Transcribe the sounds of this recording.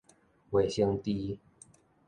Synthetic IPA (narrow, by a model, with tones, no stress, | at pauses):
we˨˩ɕə˧ŋt̪i˦